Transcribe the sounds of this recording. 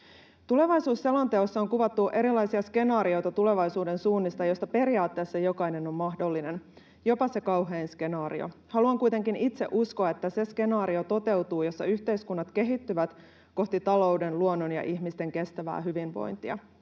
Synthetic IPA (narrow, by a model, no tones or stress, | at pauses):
t̪ule̞ʋɑjsuːsːelont̪e̞osːɑoŋkuʋɑt̪ːuʔe̞ɾilɑjsiɑske̞nɑːɾio̞jt̪ɑt̪ule̞ʋɑjsuːde̞nsuːnːist̪ɑjost̪ɑpe̞ɾiɑːt̪ːe̞ːsːɑjo̞kɑjne̞no̞mmɑɦdo̞lːine̞n | jo̞pɑse̞kɑwɦe̞ːnske̞nɑːɾio̰ | hɑluɑŋkujt̪e̞ŋkinit̪se̞̰ʔuskoɑet̪ːæse̞ske̞nɑːɾio̞t̪o̞t̪e̞wt̪uːjo̞sːɑ̰yçt̪eiskunːɑt̪ke̞ɦit̪ːyʋæt̪ | ko̞ht̪it̪ɑlo̞ude̞nluonːonjɑ̰ʔiçmist̪e̞ŋke̞st̪æʋæ̰ːɦyʋinʋo̞̰jnt̪iɑ̰